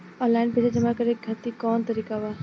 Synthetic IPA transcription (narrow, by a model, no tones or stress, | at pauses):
ɔ̃ːnlaːɪnpeːsad͡ʒɐmakɐɾeːk̚ɡʱɐt̪ikɔːnt̪ɐɾiːkaʋaː